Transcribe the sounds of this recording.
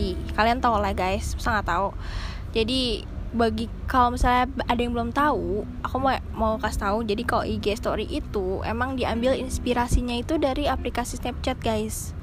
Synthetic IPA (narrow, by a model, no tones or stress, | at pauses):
ikaliant̪aulaɡajssaŋat̪au | d͡ʒadi | baɡi | kalomisalaadajaŋbəlʊmt̪au | akuma | maukast̪aud͡ʒadikalo̰ʔiɡɛst̪oɾiʔit̪uḛmaŋdiambɪlḭnspiɾasiɲait̪udaɾiaplikasisnapt͡ʃat̪̚ɡajs